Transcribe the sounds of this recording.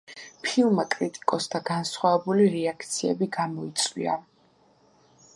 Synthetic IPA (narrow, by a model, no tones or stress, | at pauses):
pʰilˠmakʼɾit̪ʼi̥kʼɔsd̪aɡ̥ansχwavɛbuliɾɛakʰt̪sʰiɛbiɡamɔit̪sʼwḭa̰